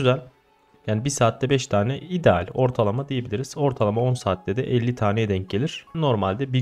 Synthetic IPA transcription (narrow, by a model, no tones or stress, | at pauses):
yzælʲ | jaːnibisaːt̪ːɛbɛʃt̪ʰaːnɛid̪ɛa̰lʲo̞ɾt̪ʰalˠamad̪eje̞bilʲiɾiz̥o̞ɾt̪ʰalˠamao̞nsaːt̪ʰlʲɛd̪ɛʔɛlʲːit̪ʰaːnejɛd̪ɛɲc̚ɟe̞lʲiɾ̥no̞ɾmalʲd̪ɛbi